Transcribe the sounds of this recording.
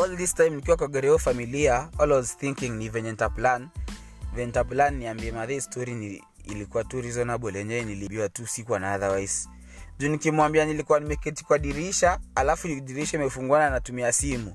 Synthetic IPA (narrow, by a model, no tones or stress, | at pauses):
ɔldistajmnikiwakɔɡɛɾɛɔfamiliaɔlwɔzθiŋkiŋnivɛnɛntaplan | vɛntaplanːiambiɛmaðɛstɔɾini | ḭlikuwatuɾizɔnaɓɔlɛɲɛniliɓiwatusikuanaaðawajz | d͡ʒunikimwambianilikuwanimɛkɛti̥kuaɗiɾiʃaalafuiɗiɾiʃaimɛfuŋɡwananatumiasimu